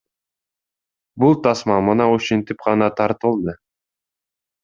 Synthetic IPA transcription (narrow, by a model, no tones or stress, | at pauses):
bulˠt̪ɑsmɑmɯnɑuʃent̪ip̚qɑnɑt̪ʰɑɾt̪ulˠd̪ɯ